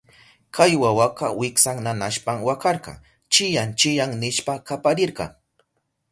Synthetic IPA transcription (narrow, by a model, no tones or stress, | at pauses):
kʰajwawaqɑwɪksaŋnanaʃpaŋwakɑɾqɑ̰ŋ | t͡ʃɪjant͡ʃɪjaŋnɪʃpakapaɾɪɾqɑ̰ŋ